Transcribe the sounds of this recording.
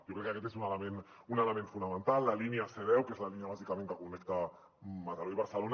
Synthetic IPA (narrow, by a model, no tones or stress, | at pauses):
ʒokɾɛkːakɛt̪ezunaləmen | unələmẽɱfunamə̃nt̪alːaliniaseðɛwkezlaliniaβazikamẽŋkəkunɛkt̪a | mat̪aloiβ̞aɾsəlon